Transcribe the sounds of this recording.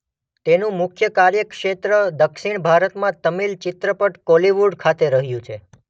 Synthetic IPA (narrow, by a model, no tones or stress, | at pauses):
t̪enũmʊkʰjəkaɾjəkʂet̪ɾəd̪əkʃiɳbʱaɾət̪mãt̪əmilt͡ʃɪt̪ɾəpəʈkɔliʋuɖkʰat̪eɾəɦjũt͡ʃʰe